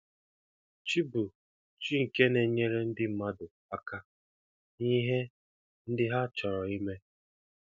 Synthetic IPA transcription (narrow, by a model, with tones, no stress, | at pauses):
t͡ʃi˦bu˨ | t͡ʃi˦ŋ̩˨ke˦ne˨˦ɲe˦ɾe˦n̩˦dɪ˦m̩˦ma˦dʊ˨pa˦ka˦ | ni˦ɦe˦ | n̩˦dɪ˦ɦa˦t͡ʃɔ˨ɾɔ˨i˦me˦